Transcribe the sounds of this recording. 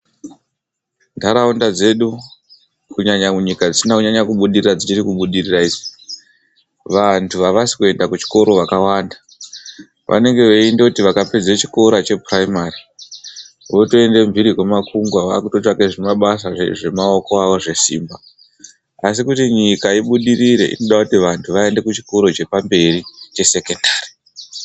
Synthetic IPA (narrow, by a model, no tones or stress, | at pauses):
ndaɾaundad͡ze̞ɗu | kuɲaɲamuɲikad͡zisinakuɲaɲakuɓuɗirirad͡zit͡ʃiɾikuɓuɗiriraid͡zi | ʋantʰuʋaʋasi̥kue̞ndakut͡ʃi̥ko̞ɾo̞ʋakawaːnda | ʋʔa̰ne̞ŋɡe̞ʋe̞indoutiʋakape̞d͡zet͡ʃi̥ko̞ɾat͡ʃe̞praimari | ʋo̞to̞e̞nde̞mvʱiɾiɦwemakuŋɡwaʋa̰kutot͡ʃakeʐemaɓasaʐeʐe̞mao̞ko̞aʋo̞ʐe̞sḭːmba | asikutiɲikaiɓuɗiɾiɾe̞̰ʔḭno̞ɗakutiʋantʰuʋae̞nde̞kut͡ʃi̥ko̞ɾo̞t͡ʃe̞pambe̞ɾit͡ʃe̞se̞ke̞ndaːri